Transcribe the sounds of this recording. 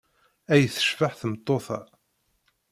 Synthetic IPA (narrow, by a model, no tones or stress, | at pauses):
æjθə̥ʃfaħθəmt̪ˤːoθɑ̰